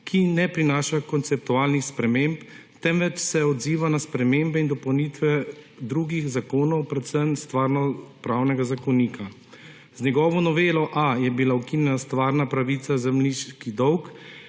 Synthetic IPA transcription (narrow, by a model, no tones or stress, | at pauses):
kʰinɛpɾinaːʃakɔnt̪sɛp̚t̪uaːlnixspɾɛmempt̪ɛmʋɛt͡ʃsɛɔd̪ziːʋanaspɾɛmeːmbɛind̪ɔpɔwniːt̪ʋɛ | d̪ɾuɡixzakoːnɔwpɾɛt̪səmst̪ʋaːɾnɔpɾawnɛɡazakɔniːkʰa | zɲɛɡɔːʋɔnɔʋeːlɔʔajɛbilaukinjɛnast̪ʋaːɾnapɾaʋit̪sazɛmniʃkid̪ɔwk